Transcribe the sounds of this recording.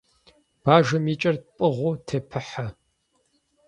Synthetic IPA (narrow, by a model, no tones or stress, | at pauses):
b̥aːʒɐmiːt͡ʃʼɐrt̚pʼɨʁʷuːtʰepʰɨħa